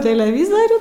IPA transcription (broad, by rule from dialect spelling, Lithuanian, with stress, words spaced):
tʲɛlʲɛˈʋʲɪzɐrʲuː